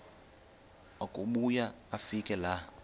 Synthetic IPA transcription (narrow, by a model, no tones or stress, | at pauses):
akʼuɓujaːfikʼɛla